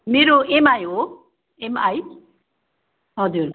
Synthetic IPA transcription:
meɾoemajɦo | emaj | ɦʌd͡zuɾ

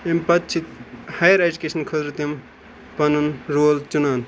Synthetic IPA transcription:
empɐtt͡ʃʰit̪hajɾed͡ʒukesɐnkʰɐzɾɐt̪jɐm | pɐnunɾoːlt͡ʃunaːn

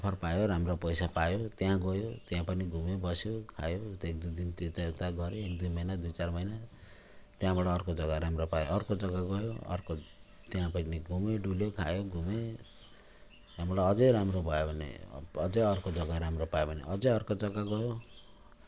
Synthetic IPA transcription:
kʌpʰʌrpajoɾamropʌjsapajot̪jãɡʌjot̪jãpʌniɡʱumebʌsjokʰa̰joek̚d̪ud̪int̪it̪at̪aɡʌɾeekd̪umʌjnad̪ujt͡sarmʌjna | t̪jãbaɽaːrkod͡zʌɡaɾamɾopajo̰ʌrkod͡zʌɡaɡʌjo̰ʌ̰rko | t̪jãpʌniɡʱumeɖuljokʰajoɡʱume | t̪jãbɽaʌd͡zʌjɾamrobʱʌjobʱʌnḛʌd͡zʌjʌrkod͡zʌɡaɾamropajobʱʌnḛʔʌd͡zʌjʌrkod͡zʌɡaɡʌjo

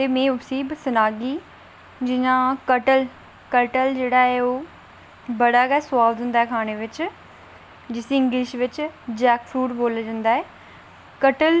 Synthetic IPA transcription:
t̪eːmẽːʊbsiːbsɪnaːɡiː | d͡ʒɪnãːkəʈəl | kəʈəld͡ʒeːɽaːɛːoː | bəɽaːkasʊʋaːbd̪ɦʊ̃nd̪aːɛːkʰaːɽ̃eʋɪt͡ʃ | d͡ʒɪsɪ̃ŋɡlɪʃʋɪt͡ʃd͡ʒɛːkfʰuːɖboːlad͡ʒãːnd̪aːɛː | kəʈəl

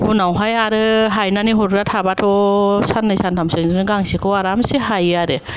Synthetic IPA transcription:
bunawɦajaɾɯɦajnaniɦɔɾɾatʰabatʰɔsanːɯjsantʰamsɯŋzɯnɯɡaŋsikʰɯwaɾamsiɦajɯaɾɯ

